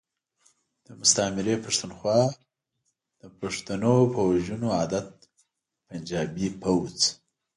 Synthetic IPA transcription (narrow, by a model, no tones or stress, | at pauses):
d̪̥əmʊst̪amɪɾepaʂt̪unxwɑ | d̪̥əpaʂt̪anopəwaʒunoɑd̪at̪̚ | pand͡ʒɑbipʰawt͡s